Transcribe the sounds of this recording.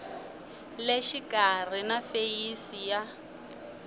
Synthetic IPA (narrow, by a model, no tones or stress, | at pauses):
leʃikʼar̤inafejisija